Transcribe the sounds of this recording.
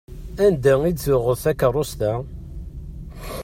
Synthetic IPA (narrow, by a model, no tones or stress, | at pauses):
ænd̪æiʊʁəθækːərˤːost̪æ